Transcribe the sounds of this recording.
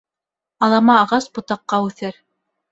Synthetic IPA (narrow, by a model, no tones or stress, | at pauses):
ɑlˠɑmɑːʁɑsbŏt̪ɑqːɑʉθɘɾ